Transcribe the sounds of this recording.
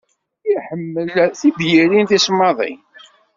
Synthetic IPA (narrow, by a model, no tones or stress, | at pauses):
iħəmːəlθibjiɾinθismːɑðˤḭ